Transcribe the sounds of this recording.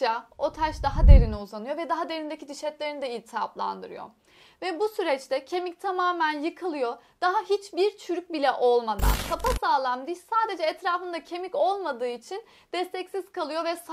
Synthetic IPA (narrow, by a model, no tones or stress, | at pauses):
ao̞t̪ʰat͡ʃd̪aɦad̪e̞ɾiniuzanɯjo̞vɛd̪aɦad̪e̞ɾind̪ecʰid̪iʃɛt̪lʲe̞ɾinid̪ɛilʲt̪ʰiaplˠa̰nd̪ɯ̰ɾɯ̰jo̰ | vɛbusyɾɛt͡ʃt̪ɛcʰe̞mic̚t̪ʰamaːmænjɯkʰɯlˠɯjo̞ | d̪̥aɦaɦit͡ʃbiɾt͡ʃʰyɾyc̚bilʲɛʔo̞lˠmad̪a̰nkapasaːlˠamd̪iʃsaːd̪e̞d͡ʒɛːt̪ɾaːfɯnd̪acʰe̞mico̞lˠmad̪ɯːit͡ʃʰin | d̪̥ɛst̪ʰɛcsiz̥kalˠɯjo̞vɛs